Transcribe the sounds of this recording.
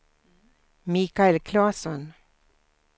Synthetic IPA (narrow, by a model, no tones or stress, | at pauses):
miːkaɛlkʰlɑːsɔn